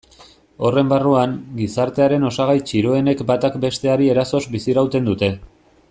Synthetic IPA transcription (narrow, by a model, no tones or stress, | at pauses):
o̞re̞mbaruaŋɡisaɾt̪e̞aɾe̞no̞saɣ̞ajt͡ʃiɾoe̞ne̞kbat̪akbe̞st̪e̞aɾie̞ɾaso̞zbisiɾawt̪e̞nd̪ut̪e̞